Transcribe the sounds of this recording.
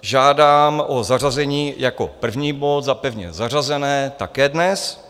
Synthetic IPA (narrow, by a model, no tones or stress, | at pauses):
ʒaːdaːmʔozar̝azɛɲiːjako̰pr̩vɲiːbo̞t̪zapɛvɲɛ̰zar̝azɛnɛːt̪akɛːdnɛs